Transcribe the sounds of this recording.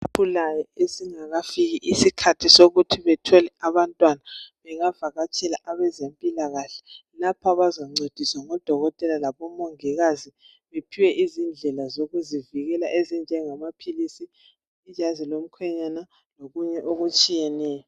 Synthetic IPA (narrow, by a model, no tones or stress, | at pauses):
pʰulajɔesiŋaɣafiɣiʔisikʰatʰisoɣutʰiβɛtʰɔlɛaβantʼwanaβɛŋavaɣat͡ʃʰʼɛlaʔaβɛzempʼilaɣaɬɛ̥lapʰaβazaŋ͡ǀed̥ʱiswaŋɔd̥ʱɔɣɔtʼɛlalaβɔmoŋiɣazi | βepʰiwɛʔizind͡ɮʱɛlazoɣuziviɣɛlaʔezind͡ʒʱɛŋamapʰilisiː | d͡ʒʱazilom̩kʰwɛɲana | loɣuɲɛʔoɣut͡ʃʼijɛnɛːjɔ